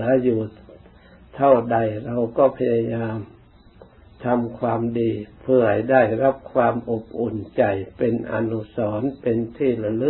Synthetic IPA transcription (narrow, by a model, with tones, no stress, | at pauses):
ɯ˩˦ɐ˦juː˨˩ | t̪ʰa˥˩wda˧jɾa˧wkɔː˥˩pʰa˧jaː˧jaː˧m | t̪ʰa˧mkʰwaː˧mdiː˧pʰɯ˥˧˩ɐha˧˩jdaː˥˩jɾa˦˥p̚kʰwaː˧mʔo˨˩p̚ʔo˨˩nt͡ɕa˧jpe˧nʔa̰˧nu˦˧˥sɔː˩˦npe˧nt̪ʰiː˥˩la˧lɯ˦˥